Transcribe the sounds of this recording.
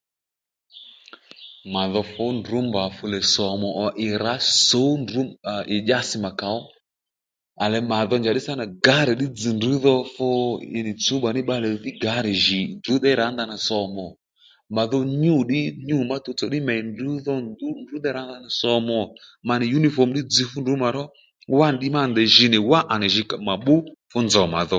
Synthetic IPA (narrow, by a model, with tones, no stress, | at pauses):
ma˨ðɔ˧fɔ˦ndu˨˦mba˨fu˧lɛ˨sɔ˨mɔ˨ʔɔ˨ʔɪ˨ɾa˨˦so˨˦ndu˨˦˨ʔɪ˨ʄa˦sɪ˨ma˨ka˨ɔ˦ | a˨lɛ˨ma˨ðɔ˧nd͡ʒa˨ɗɪ˦sa˦na˨ɡa˨˦ɾɛ˨ɗɪ˦d͡zɨ˨ndu˨˦ðɔ˧fɔ˧ɪ̰˨nɪ˨t͡su˨˦ɓa˨nɪ˦ɓa˧lɛ˨ðɪ˦ɡa˨˦ɾɛ˨ʒi˨ndu˨˦ðɛ˦ɾa˨˦nda˧na˨sɔ˨mɔ˨ | ma˨ðɔ˧ɲu˦˨ɗɪ˦ɲu˦˨ma˦tu˨˧t͡sɔ˨ɗɪ˦mɛ˨i˨ndu˨˦ðɔ˦u˦ndu˨˦ðɛ˦ɾa˨˦n˦da˧na˨sɔ˧mɔ˨ma˧nɪ˨ju˦ni˦fɔ˨m̩˦ɗɪ˦d͡zi˧fu˦ndu˨˦ma˨ɾɔ˦ | wa˦n˨ɗɪ˦ma˦˨nd̪ɛ˨ʒi˨nɪ˨wa˦ʔa˨nɛ˨ʒi˧ka˨ma˨ɓʊ˦fu˦nd͡zɔ˨ma̰˨ðɔ˦